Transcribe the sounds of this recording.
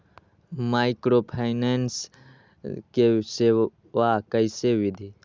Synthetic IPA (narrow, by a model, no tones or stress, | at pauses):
majkɾopʰajnens | kese | ʋakəjsewid̪ʱi